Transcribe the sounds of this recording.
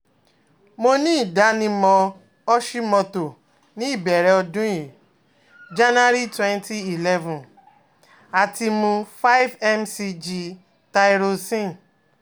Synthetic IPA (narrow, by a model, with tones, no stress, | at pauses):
mo˧nĩ˦i˦˨da˨˦nĩ˧mɔ̃˧ | ɔ˦ʃi˦mɔ̃˧to˨ | nĩ˨˦i˦˨bɛ˨ɾɛ˨ɔ˧dũ˦ji˨ | d͡ʒa˦n˦a˦ɾi˦twɛ̃˦nti˦i˨lɛ˦vũ˨n | a˨ti˧mũ˧fa˦i˦vɛ˦msi˧d͡ʒi˧ | ta˧i˦ɾo˧sĩ˦